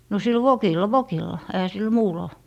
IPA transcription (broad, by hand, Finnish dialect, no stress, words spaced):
no sil ʋokilːɑ ʋokilːɑ ehæ sil muːlɔ